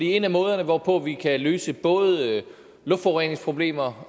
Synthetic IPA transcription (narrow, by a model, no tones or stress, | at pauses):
dḭe̝næmɔ̽ːð̞ˠɐnəʋɒpʰɔ̽ʋikʰæløːsəb̥ɔ̽ːð̞ˠ | lɔ̽fd̥fɒʊʁene̝ŋspʰʁo̝b̥le̝̰ːmɐ